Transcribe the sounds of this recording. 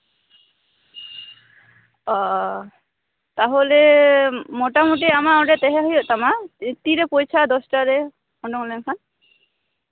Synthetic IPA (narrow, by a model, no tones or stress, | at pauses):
ɔ | t̪aɦolɛ | mɔʈamuʈ̬iamaɔ̃ɖɛt̪ɛɦɛɦɔjɔʔt̪amat̪iɾɛpojt͡ʃʰad̪ɔsʈaɾɛ | ɔɳɖɔŋlɛŋkʰan